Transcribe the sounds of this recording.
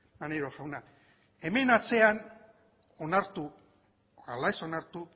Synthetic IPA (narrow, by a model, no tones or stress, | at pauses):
maneɾoxawna | e̞me̞nat͡se̞an | onaɾt̪u | alaeso̞naɾt̪u